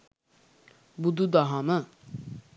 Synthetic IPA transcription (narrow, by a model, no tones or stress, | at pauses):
bud̪ud̪aɦana